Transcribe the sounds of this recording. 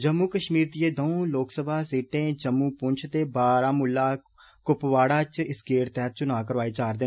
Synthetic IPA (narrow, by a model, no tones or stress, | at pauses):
d͡ʒəmːuːkəʃmiːɾd̪ieːd̪əũloːksəbʱaːsiːʈẽːd͡ʒəmːuːpʊɲt͡ʃʰt̪eːbaːɾaːmʊlːaː | kʊpʋaːɽaːt͡ʃɪskeːɾt̪ɛːt̪̚t͡ʃʊnaːkəɾʋaːiːt͡ʃaːɾd̪eː